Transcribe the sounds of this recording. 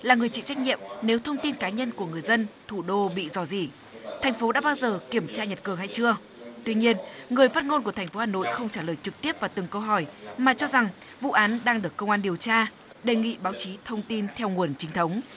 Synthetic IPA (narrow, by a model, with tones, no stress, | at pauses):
laː˨˩ŋɨ˨˩əjt͡ɕḭ˧˨t͡ɕa˦˥jk̚ɲḭ˧˨əmne˨˦wt̪ʰə˧wŋ͡mt̪i˧nkaː˨˦ɲə˧nku˧˩əŋɨ˨˩əjzə˧nt̪ʰu˧˩ɗo˧ɓḭ˧˨zɔ˧˩zi˧˨˩ | t̪ʰɛ˨˩jŋ̟fo˨˦ɗa̰ː˧˥ɓaː˧wzəː˨˩ki˧˩əmt͡ɕaː˧ɲə˨˩t̚kɨ˨˩əŋɦa˧jt͡ɕɨ˧ə | t̪wi˧ɲi˧ənŋɨ˨˩əjfaː˦˥t̚ŋo˧nku˧˩əɛ˨˩ŋ̟fo˨˦haː˨˩no̰˧˨jxə˧wŋ͡mt͡ɕaː˧˩ləː˨˩jt͡ɕɨ˨˩k̚t̪i˦˥əp̚vaː˨˩t̪ɨ˨˩ŋkə˧wɦɔ˧˩jmaː˨˩t͡ɕɔ˧za˨˩ŋ | vṵ˧˨ʔaː˨˦nɗaː˧ŋɗɨ˨˩əkːə˧wŋ͡mʔaː˧nɗi˨˩əwt͡ɕaː˧ | ɗe˨˩ŋḭ˧˨ɓaː˨˦wt͡ɕi˨˦t̪ʰə˧wŋ͡mt̪i˧nt̪ʰɛ˧wŋu˨˩ənt͡ɕï˨˦ŋ̟t̪ʰə˨˦wŋ͡m